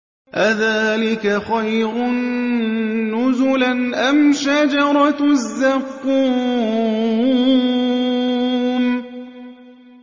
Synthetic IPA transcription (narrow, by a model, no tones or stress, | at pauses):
ʔaðaːlɪkaxajɾʊnː | ʊzʊlanʔamʃad͡ʒɑɾˤɑzːaqːuː | m